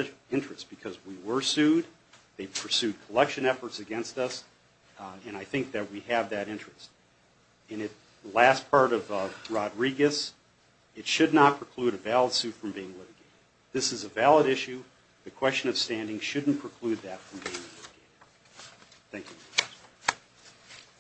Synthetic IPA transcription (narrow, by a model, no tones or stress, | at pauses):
ɪ̃nt͡ʃɹ̥ɨsb̥ɨkʰʌzwiwə˞sʉd̪̚ | ðeɪpʰə˞sʉd̚kʰəlɛkʃɨ̃nɛfə˞tsɨɡɛ̃nstʌs | ɨ̃ñaɪθɪ̃ŋk̚ðɨt̚wiɨvðɨɾɪ̃nt͡ʃɹ̥ɨst̚ | ɨ̃nɨt̚ | læs̚pʰɑɹɾʌvɹɑdɹiɡɨs | ɨtʃɨdⁿnət̚pʰɹ̥ɨkʰl̥ʉɾɨvælˠəd̥sʉtfɹʌ̃mbiɪ̃ŋlɪɾɨɡeɪɾɨdd̪̚ðɪsɨzəvælˠəɾɪʃʉ | ðɨkʰw̥ɛst͡ʃɨ̃nʌv̥stæ̃ndɪ̃ŋʃʊdⁿn̩pʰɹ̥əkʰl̥ʉd̪̚ðɨtfɹʌ̃mbiɪ̃ŋlɪɾɨɡeɪɾɨd̥̚ | θæ̃ŋkjʉ